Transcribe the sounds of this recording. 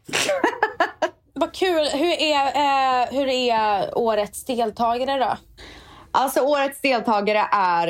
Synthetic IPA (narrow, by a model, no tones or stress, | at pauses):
vakʰʉ̟ːlɦɵɾæ | ɦɵɾæoːɾət̪sd̪eːlt̪ʰɑːɡaɾəd̪ɔ̰ | ʔalt̪sɔoːɾət̪sd̪eːlt̪ʰɑːɡaɾəʔæɾ